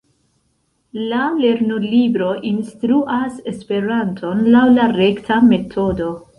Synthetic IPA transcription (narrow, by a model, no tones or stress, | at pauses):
lale̞ɾnulibɾo̞ʔinstɾuʔase̞spe̞ɾantʰo̞nlawlaɾe̞ktʰame̞tʰo̞do̞